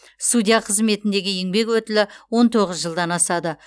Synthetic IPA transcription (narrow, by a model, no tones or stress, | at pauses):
st̪ud̪ʲijaqʰəzme̞t̪ɪnd̪e̞ɡʲɪje̞ŋbe̞kwɵt̪ɪlɪwo̞nt̪ʰo̞ʁəzʒəlˠd̪ɑnɑsɑd̪ə